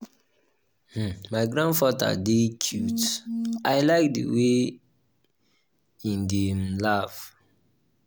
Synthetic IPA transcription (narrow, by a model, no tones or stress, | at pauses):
h̩maɪɡɹãndfata̰dekʰjutaɪlaɪk̚də̰we | ĩndemlav